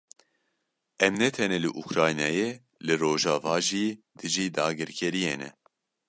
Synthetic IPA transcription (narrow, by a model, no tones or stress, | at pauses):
ɛmnɛt̪ʰɛnɛlɨʔukɾaːjnɛjeː | lɨroːʒɑːvɑːʒiː | d̪̥ɨʒiːd̪aːɡɨɾkʰɛɾijeːnɛ̰